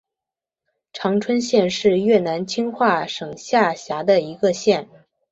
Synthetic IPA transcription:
ʈ͡ʂʰɑ˧˥ŋʈ͡ʂʰwə˥nɕjɛ˥˧nʂɻ̩˥˧ɥɛ˥˩na˧˥nt͡ɕʰi˥ŋxwa˥˩ʂɤ˨˩ŋɕja˥˩ɕja˧˥d̪ə˧i˧˥ɡə˧ɕjɛ˥˩n

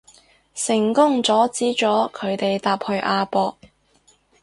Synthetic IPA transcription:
sɪ˨˩ŋkʊ˥ŋt͡sɔː˨˥t͡siː˨˥t͡ʃɔː˨˥kʰɵ˨˧ɥt̪e˨jt̪aː˨p̚hɵ˧ɥʔaː˧pɔː˧k̚

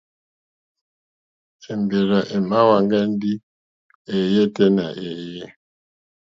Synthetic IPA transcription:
ɛ˨mbe˨ɾa˨ʔɛ˨ma˦wa˨ŋɡa˦n˦di˦ | e˨je˦tɛ˦na˨ʔe˨je˦

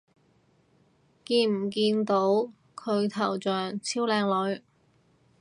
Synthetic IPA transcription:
kiː˧nm̩˨˩k̬iː˧nt̪o˨˥w | kʰɵ˨˧ɥt̪ʰɐ˨˩wt͡sœː˨ŋt͡sʰiː˥wlɛː˧ŋlɵ˨˧ɥ

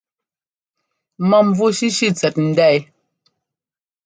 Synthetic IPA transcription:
ma˦m˦vu˦ʃi˦ʃi˦t͡sɛ˨t̚n̩˨dɛ˦˨j

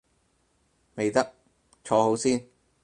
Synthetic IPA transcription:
me˨jt̪ɐ˥k̚ | t͡ʃʰɔː˨˧ɦo˨˥wsiː˥n

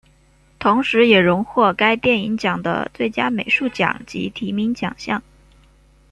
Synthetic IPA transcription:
t̪ʰʊ˧˥ŋʂɻ̩˧˥jɛ˨˩ɻʊ˧˥ŋxwɔ˥˩ka˥ɪpjɛ˥˩ni˧˥ŋt͡ɕjɑ˨˩ŋd̪ə̰˦t͡swe˥˩ɪt͡ɕja̰˥me˨˩ɪʂu˥˩t͡ɕjɑ̰˨˩˦ŋt͡ɕḭ˧˥t̪ʰi˧˥mi˧˥ŋt͡ɕjɑ̰˨˩ŋɕjɑ̰˥˩ŋ

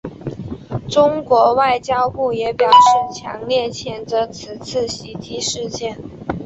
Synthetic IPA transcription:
ʈ͡ʂʊ˥ŋkwɔ˧˥wa˥˩ɪt͡ɕjɑ˥ʊpu˥˩jɛ˧˥pjɑ˨˩ʊʂɻ̩˥˩t͡ɕʰjɑ̰˧˥ŋljɛ˥˩t͡ɕʰjɛ˨˩nt͡sɤ˧˥t͡sʰɹ̩˨˩t͡sʰɹ̩˥˩ɕi˧˥t̪ʰi˧˥ʂɻ̩˥˧t͡ɕjɛ˥˩n

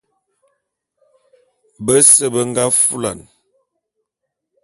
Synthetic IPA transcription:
bə˦sə˦bə˦ŋ˦ɡa˦fu˦la̰˨n

